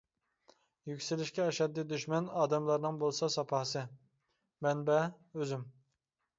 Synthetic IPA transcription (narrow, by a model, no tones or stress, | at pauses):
jykʲsɪlɪʃkʲɛːʃɛd̪ːid̪yʃmɛnɑːd̪ɛmlˠɑɾnɨŋbolˠsɑsɑpʰɑhsɨ | mɛnbɛ | øzym